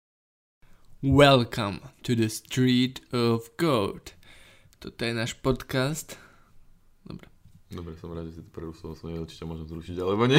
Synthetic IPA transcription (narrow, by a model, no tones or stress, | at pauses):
wɛlkʰãmt̪ud̪əst̪ɾiːt̪ɔvɡoʊt̪ | t̪ot̪ɔjɛnaːʃpot̪kast̪ | d̪ɔ̰bɾɛd̪ɔbɾɛsɔmɾaːd̪ʒɛsit̪ɔ̥pɾɛɾust̪ɔasɔɲɛuɾt͡ʃi̥cɛmʊɔʒɛmzɾuʃiɟalɛbɔɲɛ